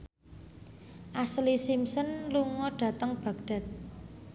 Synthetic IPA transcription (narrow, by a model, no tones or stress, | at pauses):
ʔaslisimsɔnluŋɔɖ̥ä̤t̪əŋb̥a̤k̚ɖ̥a̤t̪̚